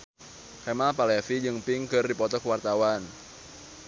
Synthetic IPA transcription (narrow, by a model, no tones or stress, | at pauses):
kamapalɛfid͡ʒɨŋpiŋkɨrdipɔt̪ɔkuwart̪awan